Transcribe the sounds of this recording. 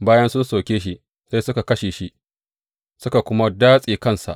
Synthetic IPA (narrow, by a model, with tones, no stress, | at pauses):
baː˦jɐ˦nsʊ˦nsa˨kʲeː˦ʃ̬i˦ | sa˦jsʊ˦ka˨kɐ˦ʃeː˨ʃi˦ʔ | sʊ˦ka˨kʷʊ˦ma˦daː˦sʼiː˨kɐ˦˨nsa̰˨ʔ